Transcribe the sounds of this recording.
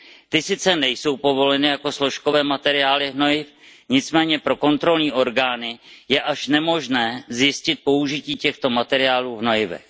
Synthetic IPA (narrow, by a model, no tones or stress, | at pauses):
t̪ɪsɪt͡sɛnɛjso̞wpo̞vo̞lɛnɪjako̞slo̞ʃko̞vɛːmat̪ɛɾɪjaːlɪvno̞jɪfɲɪt͡smɛːɲɛpɾo̞ko̞nt̪ɾo̞lɲiːʔo̞ɾɡaːnɪjɛʔaʃnɛmo̞ʒnɛːzjɪscɪt̪̚po̞uʒɪciːcɛxt̪o̞mat̪ɛɾɪjaːluːvno̞jɪvɛ̰x